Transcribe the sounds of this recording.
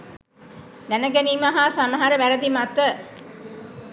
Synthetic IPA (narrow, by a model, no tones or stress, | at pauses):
d̪ænəɡæniːmaɦasaməɦaɾəʋæɾəd̪imat̪ə